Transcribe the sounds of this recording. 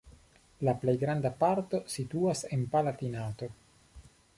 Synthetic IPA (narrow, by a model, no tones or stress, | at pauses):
laplejɡɾandapaɾt̪o̞sit̪uase̞npalat̪inat̪o̞